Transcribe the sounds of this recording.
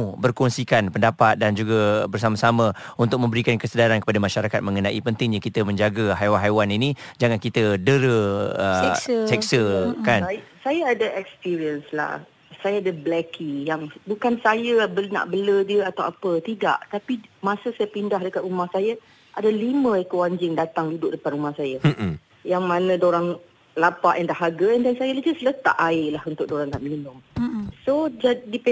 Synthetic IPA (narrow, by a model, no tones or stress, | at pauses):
bərkɔnsikanpəndapat̪̚dand͡ʒuɡabərsamasamã | unt̪ʊk̚mə̃mbəɾikankəsədaɾankəpadamaʃaɾakat̪̚mə̃ŋənãʔipənt̪ɪŋɲakit̪əmə̃ɲd͡ʒaɡaɦajwanɦajwaninĩd͡ʒaŋãnkit̪ədəɾəəsɛkksəkanjsajaːdaʔɛkspiɾiənsla̰h | sajaadablɛkijaŋbukansajəbəna̰ʔbələdiəat̪awapət̪ida̰ʔt̪apimãsəsajapindaɦdəkat̪umahsaja | ʔadalimə̃ikəwaɲd͡ʒɪŋdat̪aŋdudʊʔdəpanumahsaja | jaŋmãnə̃doɾaŋ | lapaʔɛndaɦaɡaɛndansajalad͡ʒaslət̪a̰ʔaɪlahunt̪ʊk̚ʔdoɾaŋna̰ʔminʊŋsod͡ʒadip